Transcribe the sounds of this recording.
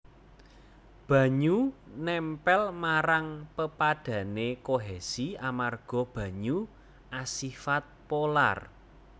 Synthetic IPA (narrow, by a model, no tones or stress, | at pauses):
b̥ä̤ɲunɛmpɛlmaɾaŋpəpaɖ̥ä̤nekoɦesiamarɡ̥ɔ̤b̥ä̤ɲu | ʔasifat̪̚pola̰r